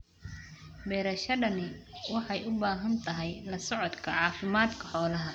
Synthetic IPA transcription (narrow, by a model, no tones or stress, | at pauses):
bɛːɾɐʃɐɖɐnɪwɑħɑjʔʊbaːɦɐnt̪ʰɐɦɛjlɐsɔʕɔd̪kʰɐʕɑːfɪmaːd̪kʰɐ̥ħɔːlɐɦɐ